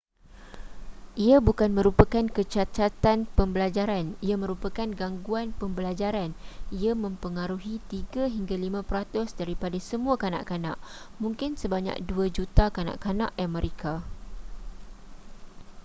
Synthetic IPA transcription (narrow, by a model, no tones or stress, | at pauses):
ʔiabukanmə̃ɾupakankət͡ʃat̪at̪anpəmbəlad͡ʒaɾaniamə̃ɾupakanɡaŋɡuanpəmbəlad͡ʒaɾaniamə̃mpəŋaɾuɦit̪iɡaɦiŋɡalimãpɾat̪ʊsdaɾipadasəmũakana̰ʔkana̰ʔ | mũŋkɪnsəbaɲa̰k̚duad͡ʒut̪akana̰ʔkana̰ʔjamə̃ɾʔekʰa